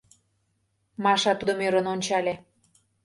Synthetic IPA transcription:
mɑʃɑt̪ud̪ə̆møɾə̆nonʲt͡ɕɑlʲe

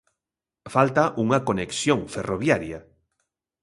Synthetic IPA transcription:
falt̪aʔuŋɐkoneksjoŋferoβjaɾja̰

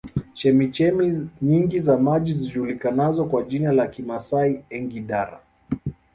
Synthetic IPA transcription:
t͡ʃɛmit͡ʃɛmiɲiŋɡizamaʄizid͡ʒuulikanazɔkwaʄinalakimasaiɛŋɡiɗaɾa̰

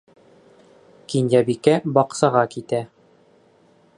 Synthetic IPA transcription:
kinjæbikæbɒqsɑʁɑkit̪æ

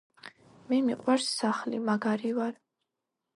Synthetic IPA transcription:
mɛmiqʼwaɾsːaχlḭmaɡaɾivaɾ

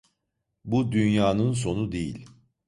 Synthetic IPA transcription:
bud̪ynjaːnɯns̬o̞nud̪e̞jḭlʲ

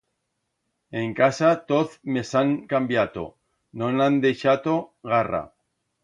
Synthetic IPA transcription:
e̞ŋkasat̪oθme̞saŋkambjat̪o̰ | nõnand̪eʃat̪oɣara̰

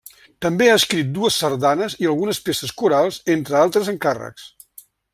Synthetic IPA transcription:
t̪əmbeaəskɾit̪̚d̪uəsːəɾðanəziəlˠɣunəspesəskuɾalˠzent̪ɾəalˠt̪ɾəzəŋkarə̰ks

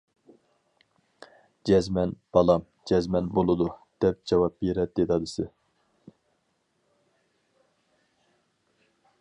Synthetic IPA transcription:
d͡ʒɛzmɛnb̥ɑlˠɑm | d͡ʒɛzmɛnbolˠɨd̪ud̪̥ɛp̚d͡ʒɑwɑp̚beɾɛd̪̚d̪ed̪ɑd̪ɨsɨ

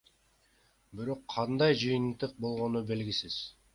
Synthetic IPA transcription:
bɪɾo̞qʰːɑnd̪ɑjd͡ʒɯjɯnnt̪ɯq̚bo̞lˠʁo̞nube̞lɡʲisiz̥

